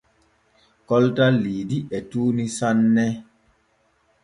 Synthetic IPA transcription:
kɔltaliːdiɛtunisanːɛ

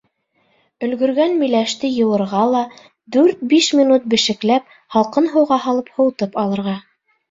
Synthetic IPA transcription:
ɵ̆lɡɵ̆ɾɡænmĭjlæʃt̪ɘjɤ̆w̪ˠɤ̆ɾʁɑlˠɑ | d̪ʉɾt̪̚biʃmʲinut̪̚bɘ̆ʃɘ̆klæp̚ | hɑlˠqɤnɦɤ̆wʁɑɦɑlˠɤphŏwt̪ɤpɑlˠɤ̆ɾʁɑ

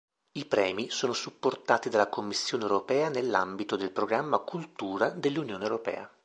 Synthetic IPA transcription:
ipɾɛːmisoːnosupːort̪aːt̪id̪alːakʰomːisːjoːnewɾopɛːanelːambit̪od̪elpɾoɡɾamːakult̪uːɾad̪elːunjoːnewɾopɛ̰ːa

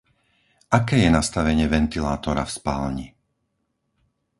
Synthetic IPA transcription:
ʔakɛːjɛnast̪aʋɛɲɪɛʋɛnt̪ilaːt̪ɔɾa̰fspaːlɲi

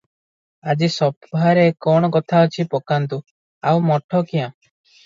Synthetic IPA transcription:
ad͡ʒisɔbʱaɾekɔɽ̃ɔkɔt̪ʰaɔt͡ʃʰipɔkant̪u | awmɔʈʰɔkijã

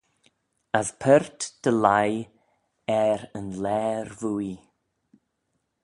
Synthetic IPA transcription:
əspʰəɾt̪d̥əlaj | ɛɾənlɛːɾvuːi

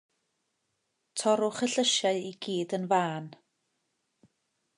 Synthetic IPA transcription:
tʰɔɾʊχəɬəʃjaɨiɡiːdənvaːn

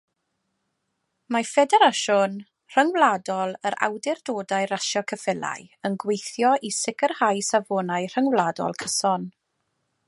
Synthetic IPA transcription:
mafɛdɛɾaʃɔn | r̥əŋwlˠadɔlˠəɾa̰wdɪrdoːdajɾaʃjɔkʰəfɪlˠa̰jənɡwejθjɔʔisɪkʰərhajsavoːnajr̥əŋwlˠadɔ̰lˠkʰəsɔn

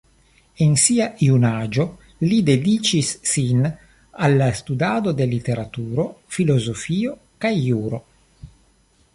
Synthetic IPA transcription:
ensiaʔiunad͡ʒo̞ | lid̪ed̪it͡ʃisːin | alːast̪ud̪ad̪od̪e̞lit̪eɾat̪uɾo̞filo̞zofio | kajːuɾo

